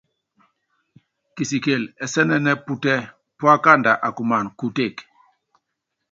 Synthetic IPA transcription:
ki˨si˨ke˨lɛ˨sɛ˦nɛ˦nɛ˦pu˦tɛ˦ | pwa˦ka˦˨nda˨ʔa˨ku˨ma˨nku˦te˦˨k

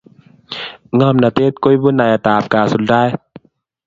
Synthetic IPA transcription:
ŋɔː˧˥˨mnaː˧˩t̪e˦˧˩t̪̚ko˧˥˨jbu˧˥˨na˨˩jʔa˨˧˨t̪aː˨p̚kaː˨˩su˨˦n̚daː˧˩˨j

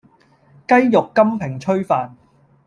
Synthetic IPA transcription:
kɐ˥jjʊ˨kːɐ˥mpʰɪ˨˩ŋt͡ʃʰɵ˥ɥfaː˨n

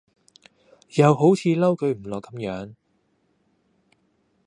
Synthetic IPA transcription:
jɐ˨wɦo˨˥wt͡sʰiː˧lɐ˥wkɵ˧ɥm̩˨˩lɔː˨kɐ˨˧˦mjœː˨˥ŋ

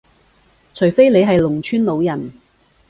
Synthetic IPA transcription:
t͡sʰɵ˨˩jfe˥jle˨˧jɦɐ˨jlʊ˨˩ŋt͡ʃʰyː˥nlo˨˧wjɐ˨˩n

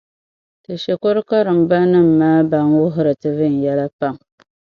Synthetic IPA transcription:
tɨ˨ʃe˨ko˦ɾɨ˦ka˦ɾɨ˨m̩˨ba˦nɨ˦m̩ː˨aː˦ba˨nwʊ˦ɦʊ˦ɾɨ˨tɨ˨vɨ˦n̩˨jɛ˦la˦pa˦m

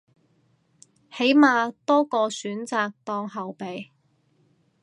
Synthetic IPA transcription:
he˨˥jmaː˨t̪ɔː˥kɔː˧syː˨˥nt͡saː˨k̚t̪ɔː˧ŋɦɐ˨wpe˨j

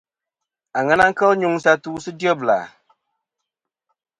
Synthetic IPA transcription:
a˨ŋa˦na˦ŋ̩˦kə˦lɲu˦ŋ˦sa˦tu˦sɨ˦di˦ɔ˦bla̰˨

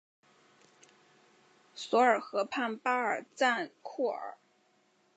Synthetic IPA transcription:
swɔ˧˥ə˞˨˩xɤ˧˥pʰa˥˩npa˥ə˞˨˩t͡sa˥˧nkʰu˥˩ə̰˞˨˩˦

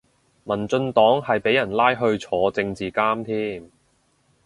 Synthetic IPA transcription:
mɐ˨˩nt͡sɵ˧nt̪ɔː˨˥ŋhɐ˨jpe˨˥jɐ˨˩nlaː˥jɦɵ˧ɥt͡sʰɔː˨˧t͡sɪ˧ŋt͡siː˨kaː˥mt̪ʰiː˥m

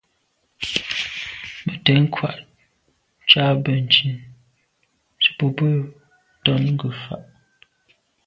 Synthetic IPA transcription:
mə˨tɛ˨˦ŋ̩˦kʰwa̰˨ʔ | t͡ʃaː˦bə˨n̩˨t͡ʃi˨n | t͡ʃə̥˨pu˨bə˦ | tɔ˦nŋ̩˦ɡə˨fa̰˨ʔ

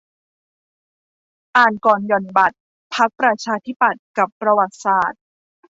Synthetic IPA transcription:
ʔaː˨˩nkɔː˨˩njɔ˨˩nba˨˩t̪̚ | pʰa˦˥k̚pɾa˧t͡ɕʰaː˧t̪ʰi˦˥pa˨˩t̪̚ka˨˩pːɾa˧wa˨˩t̪̚saː˨˩t̪̚

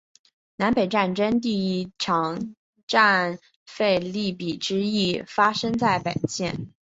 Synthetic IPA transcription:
na˧˥npe˨˩ɪʈ͡ʂa˥˩nʈ͡ʂə˥nt̪̬i˥˩˥ʈ͡ʂʰɑ˧˥ŋ | ʈ͡ʂa˥˧n | fe˥˧ɪli˥˩pi˨˩ʈ͡ʂɻ̩˥i˥˩fa˥ʂɤ˥ŋt͡sa˥˩ɪpḛ˨˩nɕjɛ˥˩n

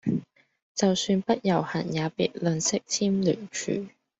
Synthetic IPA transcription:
t͡sɐ˨wsyː˧npɐ˥t̚jɐ˨˩whɐ̰˨˩njaː˨˧pḭː˨˩t̚lɵ˧nsɪ˥k̚t̪ʰiː˥mlyː˨˩nt͡ʃʰy̰ː˨˩

